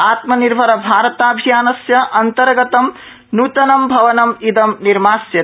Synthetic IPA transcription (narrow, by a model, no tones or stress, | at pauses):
aːt̪mɐniɾbʱɐɾɐbʱaːɾɐt̪aːbʱjaːnɐsjɐʔɐnt̪ɐɾɡɐt̪ɐm | nuːt̪ɐnɐmbʱɐʋɐnɐmid̪ɐmniɾmaːsjɐ